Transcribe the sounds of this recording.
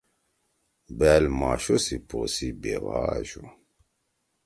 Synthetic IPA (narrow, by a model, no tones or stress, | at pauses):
bɛlmaʃosiposibeva̰ːʒu